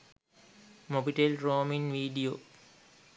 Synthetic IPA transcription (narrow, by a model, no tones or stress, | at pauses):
mobiʈelɾoːminʋiːɖioː